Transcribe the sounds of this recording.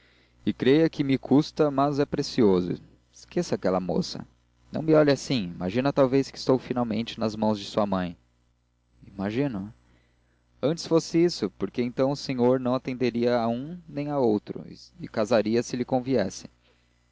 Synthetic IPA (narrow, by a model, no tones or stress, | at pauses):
ɪkɾejɐkɪmɪkʰust̪ɐmɐzɛpɾesiozʊ̰ | skʰesɐakɛlɐmo̰sɐ̰ | nɐ̃w̃mɪɔʎɐasĩimaʒĩnɐt̪awveskɪi̥st̪owfinawmḛ̃nt͡ʃɪnɐzmɐ̃w̃zd͡ʒɪsuɐmɐ̃j̃ | imaʒĩnʊ | ɐ̃nt͡ʃɪ̥sfosɪisʊpoɾkeẽñt̪ɐ̃w̃ʊsẽɲoɾnɐ̃w̃at̪ẽnd̪eɾiɐaũnẽj̃aowt̪ɾʊ̰ɪkazaɾiɐsɪlɪkõviɛsɪ̥